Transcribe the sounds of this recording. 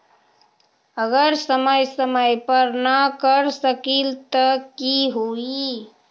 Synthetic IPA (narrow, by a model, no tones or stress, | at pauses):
əɡəɾsəməjsəməjpəɾnəkəɾsəkilt̪əkiɦoi